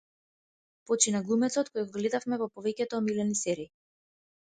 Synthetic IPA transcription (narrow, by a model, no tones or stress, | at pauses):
pɔt͡ʃinaɡlˠumɛt̪sɔt̪̚kojɡɔɡlɛd̪afmɛvɔpɔvɛcʲɛt̪ɔːmilɛnisɛɾiː